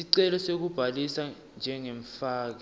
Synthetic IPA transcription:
iǀɛlɔsek̬ub̥ʱalisa | nd͡ʒʱɛŋeɱfaːk̬ɛ

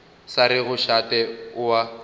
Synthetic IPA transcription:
saɾɪɣʊʃatʼɛʊwa

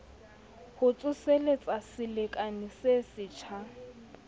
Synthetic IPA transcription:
hʊt͡sʼʊselet͡sʼasɪlɪkʼanɪsesɪt͡ʃʰa

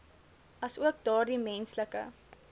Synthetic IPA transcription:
ɐsuəkdɑːrdimɛnsləkə̰

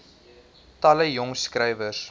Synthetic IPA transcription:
tɐləjɔŋskɾɛjvəs

